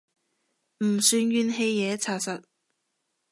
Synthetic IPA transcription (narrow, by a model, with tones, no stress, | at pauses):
m̩˨˩syː˧njyː˧nɦe˧jːɛː˨˧˥t͡sʰaː˨˩sɐ˨t̚